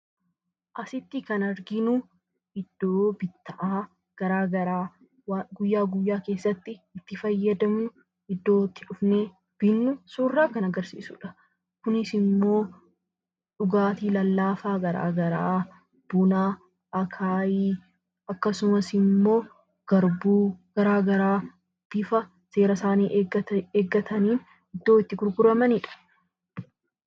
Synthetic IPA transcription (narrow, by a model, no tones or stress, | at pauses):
ʔɐsɪt̪ːɪkɐnɐɾɡɪnu | ɪd̪̥ːoːbɪt̪ːɐʔaː | ɡ̥ɐɾaːɡɐɾaː | ɡʊjːaːɡʊjːaːke̞ːsːɐt̪ːɪːt̪ːɪfɐjːɐd̪ɐmʊ | ɪd̪ːo̞ːt̪ːɪᶑʊfne̞ː | b̥ɪnːʊsuːrːaːkɐnɐɡɐɾsḭːsṵːᶑɐ̥ | kʊnɪsɪmːo̞ː | ᶑʊɡaːt̪iːlɐlːaːfaːɡɐɾa̰ːɡɐɾa̰ː | b̥ʊnaː | ʔɐkʰaːjiː | ɐkːɐsʊmɐsɪmːo̞ː | ɡ̥ɐɾbuːɡ̥ɐɾaːɡɐɾaː | t̪ːɪfɐ | se̞ːɾɐsaːniːʔeːɡːɐt̪ʰɐniːn | ɪd̪ːo̞ːɪt̪ːɪɡʊɾɡʊɾɐmɐnɪᶑɐ̥